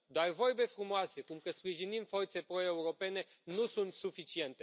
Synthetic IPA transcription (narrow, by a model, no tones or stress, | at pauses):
d̪oarvo̞rbe̞fɾumoase̞kumkəspɾiʒinimfo̞rt̪se̞pɾo̞e̞uɾo̞pe̞ne̞ | nusunt̪sufit͡ʃie̞nt̪e̞